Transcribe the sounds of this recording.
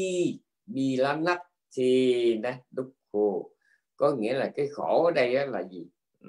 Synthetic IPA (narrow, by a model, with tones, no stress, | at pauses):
i˧˩ | ɓi˨˩laː˨˦na˦˥t̚t̪ʰi˨˩nɛ˨˦ɗʊ˦˥k͡p̚xo˧˩ | kɔ˨˦ŋḭ˧˥əlaː˨˩kaː˨˦jxɔ˧˩˨ɗə˧jʔɔ˨˦laː˨˩zi˨˩˨